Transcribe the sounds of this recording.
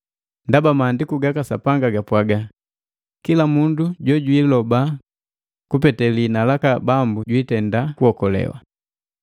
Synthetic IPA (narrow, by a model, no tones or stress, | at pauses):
ndabamaːndikuɡakasa̰paŋɡaɡapwaɡa | kilamunduɟɔɟwilɔba | kupɛtɛlinalakabambuɟwitɛndakuhɔkɔlɛ̰wa̰